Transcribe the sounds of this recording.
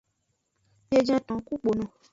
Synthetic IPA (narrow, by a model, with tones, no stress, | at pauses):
je˨d͡ʒã˦tɔ̃˨ku˦k͡po˨nɔ̃˨